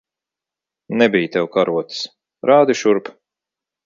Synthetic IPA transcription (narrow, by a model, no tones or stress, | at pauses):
nɛbijt̪ɛwkaɾuɔt̪s | ɾaːd̪iʃuɾp